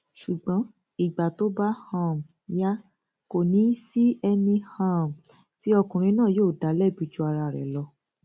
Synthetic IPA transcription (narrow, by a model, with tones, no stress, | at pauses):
ʃu˨ɡ͡bɔ̃˨˦ | i˨ɡ͡ba˨to˨˦ba˦hã˦˨m˨ | ja˦ | ko˨nĩ˨˦si˦ɛ˧nĩ˧hã˦˨m̩˨ | ti˨˦ɔ˧kũ˨ɾ̃ĩ˧˦nãː˦˨joː˦˨da˨˦lɛ˦˨bu˨˧˦d͡ʒu˧˦a˧ɾa˧˨ɾɛ̰˨lɔ˧